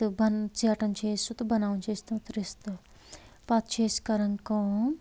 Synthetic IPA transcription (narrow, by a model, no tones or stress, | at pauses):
bɐnt͡ʃiːʈɐmt͡ʃeːsut̪ubɐnaːʋɐnt͡ʃeːst̪ɐmt̪ɐɾist̪ɐ | pat̪t͡ʃeːskɐɾɐŋkɐ